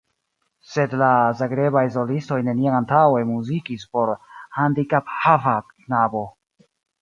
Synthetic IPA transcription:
se̞dlazaɡɾe̞bajs̬o̞listo̞jne̞niaantawemuzikispo̞ɾhandikaphavak | nabo̞

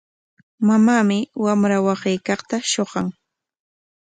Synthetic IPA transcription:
mamaːmɪwamɾawasɪjkɑχt̪aʃoɢɑŋ

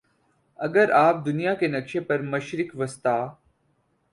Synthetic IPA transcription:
ɐɡəɾaːp̚d̪ʊnijakenəkʃepɐɾməʃɾɪkʋəst̪aː

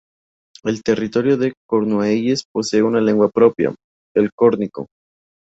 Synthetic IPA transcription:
e̞lt̪e̞rit̪o̞ɾjoðekoɾnwejespo̞se̞ːunale̞ŋɡwapɾo̞pja̰ | elkoɾniko̞̰

